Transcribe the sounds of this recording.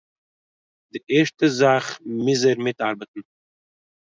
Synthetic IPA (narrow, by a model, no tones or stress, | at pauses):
diʔɛʃtəzaχmɪzəɾmɪtaɾbətn̩